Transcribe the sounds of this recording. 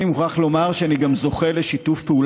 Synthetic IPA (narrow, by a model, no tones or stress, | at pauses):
nimuχaχlo̞maʁʃeaniɡamzo̞χe̞le̞ʃitufpeul